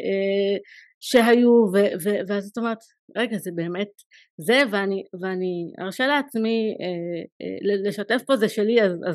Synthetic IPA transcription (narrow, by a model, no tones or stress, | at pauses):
ʔe | ʃe̞ɦajuveveveazato̞me̞ʁet̪ | ʁeɡazebe̞ːme̞t | zeveaniveania̰ʁʃeleat͡smiḛlele̞ʃate̞fpo̞zeʃe̞liazaz